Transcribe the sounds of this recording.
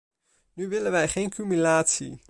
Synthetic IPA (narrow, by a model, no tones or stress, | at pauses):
nyʋɪlənʋɛjχejnkymylaːtsḭ